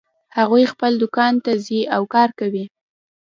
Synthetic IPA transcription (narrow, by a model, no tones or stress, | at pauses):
haɣujxpəld̪ʊkɑnt̪aziawkɑɾkawi